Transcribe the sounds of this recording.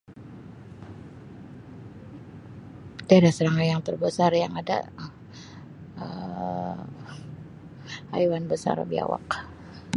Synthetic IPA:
daadasəɾaŋanjaŋt̪ərbəsarjaŋada̰ | ə | a̰jwanbəsa̰rbia̰wa̰k

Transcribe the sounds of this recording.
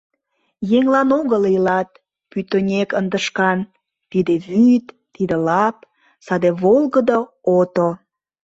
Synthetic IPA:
jeŋlɑnoɣəlilɑt̪̚ | pyt̪onʲekənd̪əʃkɑn | t̪id̪eβyt̪ːid̪elɑp | sɑd̪eβolɣəd̪o | ot̪o

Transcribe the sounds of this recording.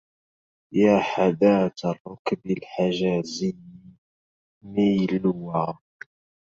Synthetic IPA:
jaːħad̪aːt̪rˤːʊkbɪlħaʒaːziːni | miːlʊwa

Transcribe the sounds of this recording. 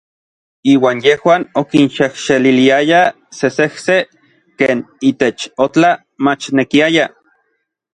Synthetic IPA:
iːwaːnjehwaːnokinʃehʃeliliaja | sesehse | keːniːt̪et͡ʃot͡ɬa | mat͡ʃnekiaja

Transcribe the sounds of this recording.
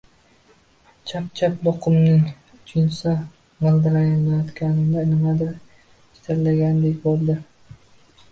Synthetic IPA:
t͡ʃʰap̚t͡ʃʰap̚bɒqʰʊmnɪŋ | t͡ʃʰʊnsa | malˠd̪aɾajɒnajɒt̪kʲanɪmd̪anɪmad̪aɾ | ʃt̪ʰaɾlːaɡʲand̪ekʲbolˠd̪ɪ

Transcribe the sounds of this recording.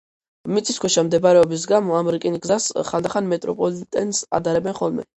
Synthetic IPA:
mit̪sʰʼiskʰʷwɛʃamd̪ɛbɾɛɔbis̬ɡamɔamɛɾikʼɛnɡzasχald̪aχanmɛt̪ʼɾɔpʼɔlit̪ʼɛnsa̰d̪aɾɛbɛnχɔlˠmɛ̰

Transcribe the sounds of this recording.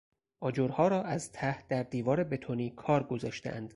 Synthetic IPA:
ʔɒːd͡ʒoɾhɒːɾɒːæzt̪ʰæhd̪̥æɾd̪iːvɒːɾe̞be̞t̪ʰoniːkʰɒːɾɡozɒːʃt̪eʔæ̰nd̪̥

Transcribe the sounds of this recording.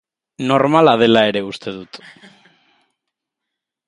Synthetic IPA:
noɾmalað̞elaeɾeust̪eðut̪o̥

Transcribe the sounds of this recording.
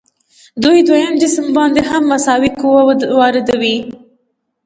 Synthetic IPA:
d̪ujd̪wajamd͡ʒɪsmbɑnd̪eɦamːasɑwikuwawɑɾɪd̪awi

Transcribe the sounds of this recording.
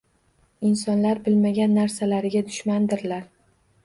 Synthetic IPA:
ɪnsɒnlaɾbɪlmaɡʲanːaɾsalaɾɪɡʲad̪ʊʃmand̪ɪɾlaɾ

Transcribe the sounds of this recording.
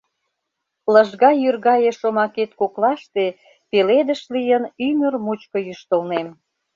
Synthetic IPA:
ləʒɣɑjyrɣɑjeʃomɑket̪̚koklɑʃt̪e | peled̪əʃlijənymərmut͡ɕkə̆jyʃt̪ə̆lnem

